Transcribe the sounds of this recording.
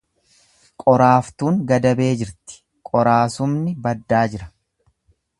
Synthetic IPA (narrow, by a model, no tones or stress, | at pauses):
kʼɔɾaːft̪uːŋɡɐd̪ɐbe̞ːd͡ʒɪɾt̪ɪ̥ | kʼɔɾaːsʊmnɪbɐd̪ːaːd͡ʒɪɾɐ̥